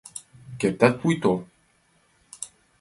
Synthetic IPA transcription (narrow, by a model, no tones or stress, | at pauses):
keɾ̚t̪at̪̚pujt̪o